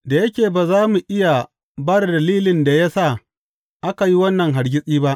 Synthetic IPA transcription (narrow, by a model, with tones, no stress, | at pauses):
da˨jɐ˦kʲeː˨baː˨zaː˦mu˨ʔɪ˦ja˨ | bɐ˦rdɐ˨liː˦lɪ˨nda˨ja˦saː˦˨ | ʔa˦ka˨ji˦wɐ˦nːɐ˨ŋɦa˨ɾɡʲɪ˦sʼiː˦ba˦ʔ